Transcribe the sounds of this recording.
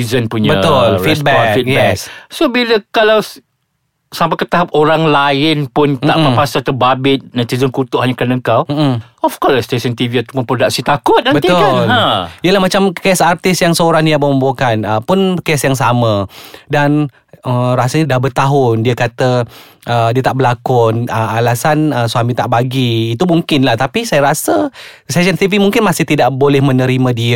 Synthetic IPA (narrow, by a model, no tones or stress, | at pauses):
izənpuɲbət̪ʊlfis̚bkfit̚jɛkssobiləkalaw | sampakət̪aɦap̚oɾaŋlaɪnpʊnt̪aʔməpasat̪əbabɪt̪̚nat̪izənkut̪ʊʔhaɲakanəŋkawm̩m̩ | ɔfkɔsst̪esənt̪iviat̪u̥mənpɾodak̚sit̪akʊt̪̚dãbət̪iʊalãiəlahmat͡ʃamkɛsart̪ɪsjaŋsəoɾaŋniabombokanəpʊnkɛsjaŋs̬amə̃dan | ərasəɲadahbərt̪aɦʊndiəkat̪ə | ʔədiət̪aʔbəlakʊnəalasanəsuamĩt̪aʔbaɡiːt̪umuŋkɪnlaht̪apisajaɾasəst̪esənt̪ivimuŋkɪnmasɪht̪idaʔbolɛhmə̃nə̃ɾimə̃diə